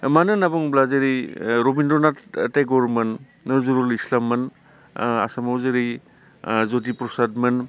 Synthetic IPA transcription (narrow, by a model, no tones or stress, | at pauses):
manɯnabuŋblazeɾiɾobindɾɔnatejɡɔɾmɐnː | ɯzuɾɔlislamːɐn | a̰samawzeɾi | zot̬ipɾɔsadmɯn